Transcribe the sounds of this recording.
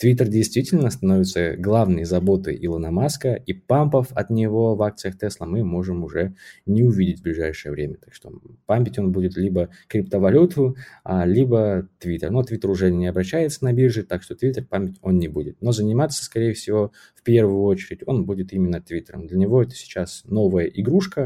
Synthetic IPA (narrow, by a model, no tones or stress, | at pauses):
t̪vʲit̪ərdʲɪjst̪vʲitʲɪlʲnəst̪ɐnovʲɪt̪səɡlˠavnɨjəzɐbo̞t̪ɨ̰ʔɪlˠənɐmaskəʔipampəfɐ̰t̪nʲɪvo̞vak̚t̪sɨjəxt̪ɛslˠəmɨmo̞ʐɨmʊʐɛnʲɪʊvʲidʲɪtʲvblʲɪʐajʂɨjəvɾʲemʲət̪akʂt̪o̞̰pamʲɪtʲo̞nbudʲɪt̪lʲibə | kɾʲɪp̚t̪əvɐlʲut̪ʊalʲibət̪vʲit̪ərnot̪vʲit̪ərʊʐɛnʲɪɐbɾɐɕːæjɪt̪sənɐbʲirʐɨt̪akʂt̪ot̪vʲit̪ərpamʲːɪtʲo̞nnʲɪbudʲɪt̪no̞zənʲɪmat̪sə̥skɐɾʲejəfsʲɪvo̞ | fpʲervʊjʊot͡ɕɪɾʲɪtʲo̞nbudʲɪt̪imʲɪnːət̪vʲit̪ɾə̰md̪lʲənʲɪvo̞ɛt̪ə̥sʲɪ̥t͡ɕasno̞vəjəʔɪɡɾuʂkə